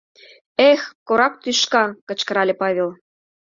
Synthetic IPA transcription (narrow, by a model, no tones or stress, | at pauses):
exkoɾɑk̚t̪yʃkɑkə̆t͡ɕkə̆ɾɑlʲepɑβʲelˠ